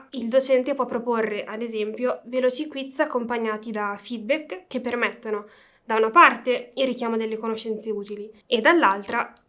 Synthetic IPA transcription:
ild̪ot͡ʃɛnt̪epwɔpːɾoporːeʔad̪ezɛmpjovelɔt͡ʃikwit̪sakːompaɲːaːt̪id̪afid̪̚bɛkːepːermɛt̪ːono | d̪aunapart̪eilrik̟jaːmod̪elːekonoʃːɛnt̪seuːt̪ilied̪alːalt̪ɾa

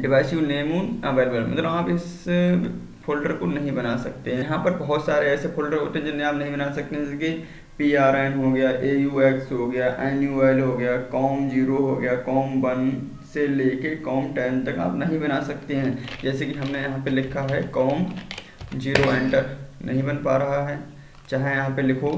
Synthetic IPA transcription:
ɖɪʋaːɪsijuneːmuːnɐbeːlbelmɐ̰t̪ləbaːpɪs | pʰolɖəɾkonɐɦĩbɐnasɐk̚t̪eɦɛ̃jɐɦãpɐɾbɐɦʊt̪saːɾeɛːsepʰolɖəɾɦoːt̪ẽɦɛ̃d͡ʒɪnːẽaːpnɐɦĩbɐnaːsɐk̚t̪eɦɛ̃ki | piːaːɾɛːnɦoːɡɐjaʔeːjuːeːksɦoɡɐjaʔɛːnjuːeːlɦoɡɐjakɔːmd͡ʒiːɾoɦoɡɐjakɔːmbɐn | seleːkekɔːmʈɛːmt̪ɐka̰ːpnɐɦĩbɐnasɐk̚t̪eɦɛ̃d͡ʒɛːsekiɦɐmnejɐɦãpelɪkʰaɦɛkɔːm | d͡ʒiːɾoɛ̃ːɳʈəɾnʔɐɦĩbɐnpaːɾɐɦaɦɛː | t͡ʃaːɦejɐɦãpelɪkʰo

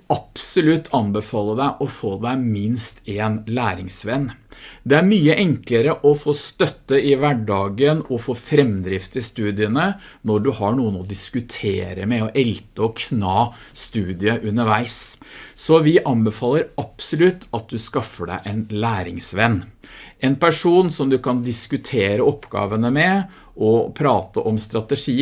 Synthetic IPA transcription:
ɑpsɔlʉt̪ʰːɑnbɛfɑːlːəd̪æɪʔɔfoːd̪æɪmɪnst̪eːnlæːɾɪŋsʋɛnːd̪ɛæɾmyːəʔɛŋkləɾəʔɔfoːst̪œt̪ːəɪʋæɖɑːɡənɔfoːfɾɛmd̪ɾɪft̪ɪst̪ʉːd̪ɪənə | nɔɖʉhɑɳuːənɔd̪ɪskʉt̪ʰeːɾəmɛɔʔɛlt̪əɔkʰnɑː | st̪ʉːd̪ɪəʔʉnːəʋæɪsː | ɔʋɪʔɑnbəfɑːlːəɾɑpsɔlʉt̪ːɑt̪̚d̪ʉskɑfəɖæ̰ɪʔɛnlæːɾɪŋsʋɛnːʔɛnpʰæʂuːnsɔmd̪ʉkɑnd̪ɪskʉt̪ʰeːɾəɔpːɡɑ̰ːʋənəmɛ | ʔɔpʰɾɑːt̪əʔɔmst̪ɾɑt̪əʂiː

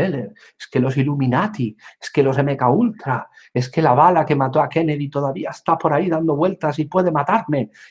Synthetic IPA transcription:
eleɾ | eskelo̞siluminat̪ieske̞lo̞se̞mekault̪ɾa | e̞ske̞laβ̞alake̞mat̪oake̞neðit̪o̞ð̞aβiaest̪apo̞ɾaiðand̪o̞βwe̞lt̪asipwe̞ð̞e̞mat̪aɾme̞

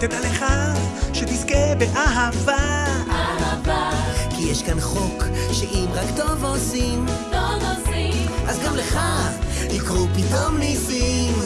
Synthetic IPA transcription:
t̪ed̪aleχaʃet̪iske̞beʔaɦavaaavakijɛʃkanχo̞kʃeʔimʁakt̪o̞vosimt̪ovosiʔazɡamleχalikʁupit̪o̞mnisim

